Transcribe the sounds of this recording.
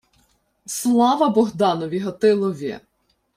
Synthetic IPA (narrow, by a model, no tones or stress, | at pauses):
slˠɑʋɐbɔɦd̪ɑnɔʋʲiɦɔt̪ɪlˠɔʋʲɛ̰